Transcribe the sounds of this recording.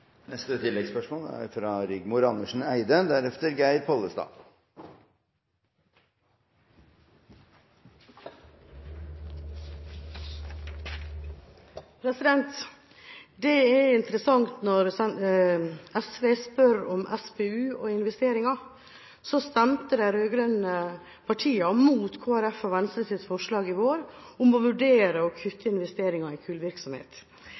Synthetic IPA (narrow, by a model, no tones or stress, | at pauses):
nɛst̪ət̪ʰɪlɛɡspœʂmoːləæ̰ɾfɾɑɾʏɡmʊɾɑnəʂɳ̩æɪd̪əd̪æɾɛft̪əɾɡæɪɾpʰɔlːəst̪ɑ̰ː | pʰɾɛsɪd̪ɛnt̪ | d̪ɛɛɪnt̪əɾəsɑŋt̪nɔɾɛ | ɛsʋeːspœɾɔmʔɛspeʉːɔɪnʋɛst̪eːɾɪŋɑ | sɔst̪æmt̪əd̪ɛɾøːɡɾœnə | pʰɑʈʰiːɑmuːt̪kʰoːæɾæfɑʋɛnst̪ɾəsɪt̪fɔʂɭɑːɡɪʋoːɾ | ʊmɔʋʉɖeːɾəɔkʰʏt̪ʰːəɪnʋɛst̪eːɾɪŋɑɪkʰʉːlʋɪɾksɔmhḛːt̪